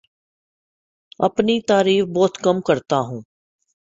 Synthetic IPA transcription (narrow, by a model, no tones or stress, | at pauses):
ɐ̰pnit̪aːɾiːfbɔːt̪kɐmkɐɾt̪aɦũː